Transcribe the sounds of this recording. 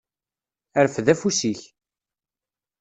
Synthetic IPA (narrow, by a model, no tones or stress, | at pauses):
æɾfðæfusiç